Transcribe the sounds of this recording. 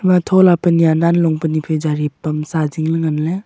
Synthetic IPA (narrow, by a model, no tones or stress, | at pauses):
matʰɔlapəniananlɔŋpənipʰed͡ʒaɾipːamsaziŋlɯŋanle